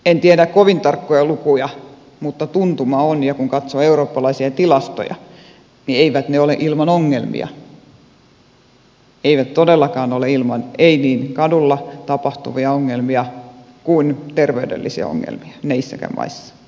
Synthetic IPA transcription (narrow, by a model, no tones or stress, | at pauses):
ent̪iædækkoʋint̪ɑrkːojɑlukujɑ | mut̪ːɑt̪unt̪umɑonjɑkuŋkɑt̪soeuroːpːɑlɑisiɑt̪ilɑst̪o̰jɑ̰ | nieiʋæt̪neolḛʔilmɑnoŋːelmḭɑ̰ | eiʋæt̪t̪odelːɑkɑːnoleilmɑneiniːnkɑdulːɑt̪ɑpɑht̪ṵʋiɑoŋːelmiɑ | kunt̪erʋeydḛlːḭsiɑ̰o̰ŋːḛlmiɑ̥neisːæ̰kæ̰mmʔɑ̰isːɑ̥